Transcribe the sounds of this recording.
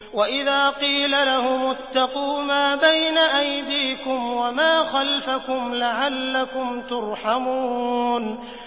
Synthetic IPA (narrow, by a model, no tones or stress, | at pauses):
waʔɪðaːqiːlalahʊmʊt̪ːɑquːmaːbajnaʔajd̪iːkʊmwamaːxalfakʊmlaʕalːakʊmt̪ʊɾˤħamuːn